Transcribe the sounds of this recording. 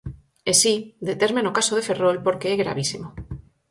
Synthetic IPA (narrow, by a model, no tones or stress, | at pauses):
esid̪et̪eɾmenokasoð̞e̞fe̞rolpo̞ɾkeeɣɾa̰β̞isimo